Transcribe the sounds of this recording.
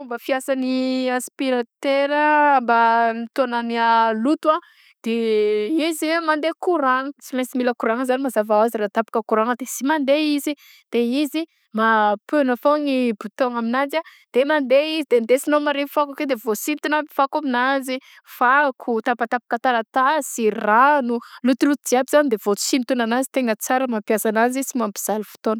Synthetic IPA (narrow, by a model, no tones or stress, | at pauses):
umbəfiasaniaspiɾat̪eɾəmbanit̪oananialut̪ua | d̪̥eiziwemand̪ekuɾaŋət͡simesimiləkuɾaŋəzanimazavaaziɾat̪apḁkəkuɾaŋəd̪ez̥imand̪eizi | d̪̥eizi | mapønəfoŋibut̪oŋaminand͡ʒad̪̥emand̪eizid̪end̪esinomaɾefakaked̪evosint̪unamifakaminazi | fakʰut̪apat̪apḁkət̪alat̪asiranulut̪ilut̪ud̪iabz̥anid̪ev̥osint̪unanazi̥t̪eŋət͡saɾəmapjasanazisimuambiz̥alifu̥t̪onə